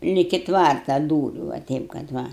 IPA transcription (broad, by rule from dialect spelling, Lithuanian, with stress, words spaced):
lʲɪkʲɪ ˈtʋɐrtɐ ˈduːrʲʊ ʋɐ ˈtʲɛɪp kɐt ˈʋɐ